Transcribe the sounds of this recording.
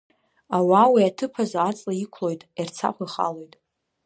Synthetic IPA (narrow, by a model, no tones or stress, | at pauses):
awawiatʰɨpʰazaːt͡sʼlaikʷʰlo̞jtʼirt͡sʰa̰kʷʰaiχa̰lo̞jtʼ